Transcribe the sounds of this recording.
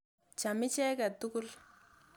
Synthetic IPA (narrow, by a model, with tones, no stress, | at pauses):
t͡ʃa˨mɪ˦t͡ʃɛ˦ka˨t̪u˦kʊ˦l